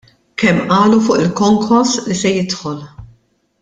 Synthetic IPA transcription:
kɛmːʔɐːlufʊːʔɪlkɔŋkʰɔɾslisɛjɪt̪ħɔl

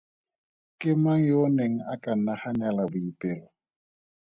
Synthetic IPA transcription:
kʼɪmaŋ̩joneŋ̩akʼan̩nahaɲalabʊipʼɪːlwa

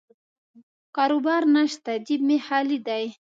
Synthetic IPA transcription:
kɑɾobɑɾnaʃt̪ad̪ib̚mehɑlid̪aj

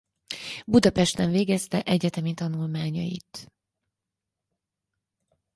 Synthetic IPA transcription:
bud̪ɒpɛʃt̪ɛɱveːɡɛst̪ɛʔɛɟɛt̪ɛmit̪ɒnulmaːɲɒ̰jḭt̪

